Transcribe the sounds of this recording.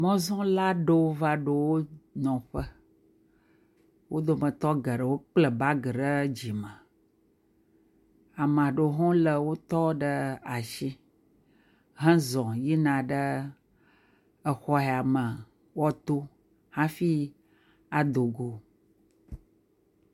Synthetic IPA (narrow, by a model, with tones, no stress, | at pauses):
mɔ̃˦zɔ̃˦la˦ɖo˦wo˦va˦ɖo˨wo˦nɔ̃˨ɸə˦ | wʔo˦d̪o˨mə̃˨t̪ɔ˦ɡə˨ɖə˨wo˦k͡plə˨ba˦ɡə˨ɖə˦d͡ʑi˨mə̃˨ | a˨mə̃˨a˨ɖo˨˦ɦɔ̃˦lə˨wo˦t̪ɔ˦ɖə˦a˨ʃi˦ | ɦə̃˦zɔ̃˨ji˦nã˨ɖə˦ | ə˨xɔ˦ɦɛ˨a˨mə˨ | wɔ˦t̪o˦ | hã˦fi˦ | a˨d̪o˨ɡo˨